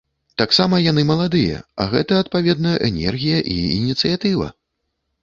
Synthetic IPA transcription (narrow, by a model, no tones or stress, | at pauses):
t̪aksamɐjanɨmɐlˠad̪ɨjɐ̰ɐ̰ɣɛt̪ɐːt̪̚pavʲɛd̪nɐʔɛnʲɛ̰rɣʲijɐʔiinʲit̪sɨjat̪ɨvɐ̰